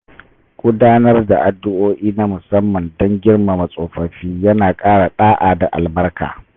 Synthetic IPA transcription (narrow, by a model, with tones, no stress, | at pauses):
ɡʷʊ˦daː˦nɐ˦rda˨ʔa˨dːʊ˦ʔoː˦ʔiː˦na˦mʊ˨sɐ˦mːɐ˨ndɔ˦ŋɡʲɪ˦rma˨mɐ˨sʼoː˨ɸɐ˨ɸiː˦jɐ˦naː˨kʼaː˦ɽa˨ɗaː˦ʔaː˨da˨ʔa̰˨lbɐ˦rka̰ː˨